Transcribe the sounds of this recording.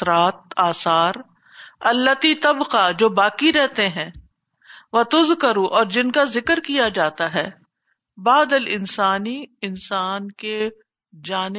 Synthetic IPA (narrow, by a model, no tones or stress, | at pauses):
ɾaːt̪̚aːsaːɾ | ɐlːət̪it̪ɐbqad͡ʒoːbaːkiɾɛɦt̪eɦɛ̃ː | ʋɐt̪ʊzkɐɾũʔɔːɾd͡ʒɪnkazɪkəɾkijad͡ʒaːt̪aɦɛː | baːd̪əlɪnsaːniɪnsaːnke | d͡ʒaːn